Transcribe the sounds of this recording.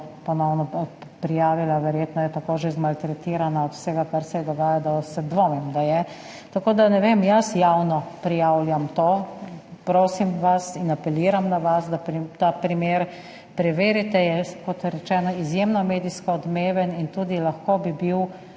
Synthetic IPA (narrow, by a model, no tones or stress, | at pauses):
pɔnɔwnɔpɾijaːʋilaʋɛɾjeːt̪nɔjɛt̪akoːʒezmalt̪ɾɛt̪iːɾanaɔt̪w̥sɛɡakaɾsɛɛd̪ɔɡaːjad̪asɛd̪ʋomimd̪ajɛ | t̪akoːd̪anɛʋemjasjawnɔpɾijawljamt̪oːpɾoːsimʋasinapɛliːɾamnaʋasd̪at̪apɾimeːɾ | pɾɛʋeːɾit̪ɛjɛkɔt̪ɾɛt͡ʃɛːnɔizjemnɔmeːd̪iskɔɔd̪meːʋɛnint̪uːd̪ilaxkobibiw